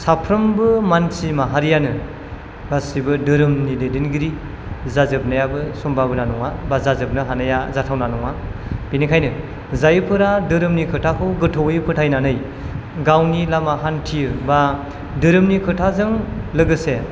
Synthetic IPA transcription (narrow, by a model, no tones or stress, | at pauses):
sapʰɾɯmbɯmansimaɦaɾijanɯ | basibɯdɯɾɯmnidedinɡiɾi | zazɯp̚nɯjabɯsɔmbabɯnanɔŋabazazɯp̚nɯɦanɯjazatʰawnanɔŋab̥inikʰajnɯ | zajɯpʰɯɾadɯɾɯmnikʰɯtʰakʰɯwɡɯtʰɔwjpʰɯtʰajnanɯj | ɡawnilamaɦantʰijɯba | dɯɾɯmnikʰɯtʰazɯŋlɯɡɯse